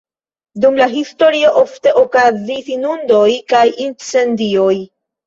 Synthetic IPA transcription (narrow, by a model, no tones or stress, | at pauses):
dumlaɦisto̞ɾio̞ʔo̞fte̞ʔokazisinundo̞jkajint͡se̞ndio̞j